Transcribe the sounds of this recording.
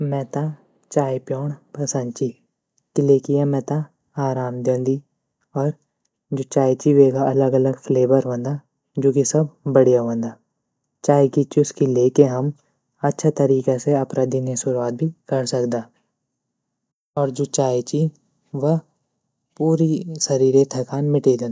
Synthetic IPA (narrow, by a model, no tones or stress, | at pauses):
mɛːt̪a | t͡ʃaːipjɔːɳpɐsə̃nd̪t͡ʃi | kileːkijamɛ̃ːt̪a | aːɾaːmd̪ɐ̃ːnd̪i | ɔːɾ | d͡ʒoːt͡ʃaːjt͡ʃiʋeːɡaɐləɡɐləɡfʰleːʋəɾʋə̃nd̪a | d͡ʒoːkisɐb̚ːɐɽijaʋə̃nd̪aː | t͡ʃaːjkit͡ʃiʊskileːkeɦɐm | ɐtːʃʰat̪ɐɾiːkaseɐpɾad̪inesʊɾuaːt̪̚bʱikɐɾsɐkd̪aː | ɔːɾd͡ʒʊt͡ʃaːet͡ʃi | ʋə | puːɾisɐɾiːɾet̪ʰɛkaːnmɪʈed̪ẽːn